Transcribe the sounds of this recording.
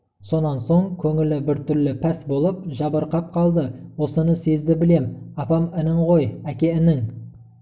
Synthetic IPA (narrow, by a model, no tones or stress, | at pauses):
so̞nɑnso̞ɴkʲʰɵŋɪlɪbɪɾt̪ʰʏɾlɪpʰæsbo̞lˠəp̚ʒɑbəɾqɑp̚qʰɑlˠd̪əwo̞sənəse̞zd̪ɪbɪle̞mɑpɑmɪnɪɴʁo̞jækʲe̞ɪnɪŋ